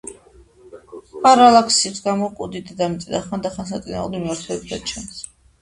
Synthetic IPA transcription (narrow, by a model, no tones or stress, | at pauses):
pʼaɾalakʰsiχsɡamɔkʼud̪id̪d̪amit̪sʼid̪aχand̪aχans̬at̪sʼina̰ud̪miaɾt̪ʰɛɛbd̪at͡ʃʰɛms